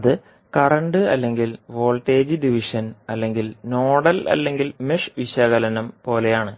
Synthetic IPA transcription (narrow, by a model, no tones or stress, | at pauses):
ðɨ | kɐrɐɳɖɨɐ̰lːe̞ŋɡilʋo̞ːlʈe̞ːd͡ʑɨɖiʋiʂɐnɐlːe̞ŋɡilnoːɽɐlɐ̰lːe̞ŋɡilmiʂʋiɕɐɣɐlɐnɐmpo̞ːle̞jaːɳɨ